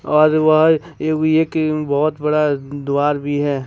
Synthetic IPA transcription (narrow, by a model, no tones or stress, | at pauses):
ɔːɾʋɐɦ | eːkbɔɦʊt̪bɐɽad̪uaːɾbʱiɦɛː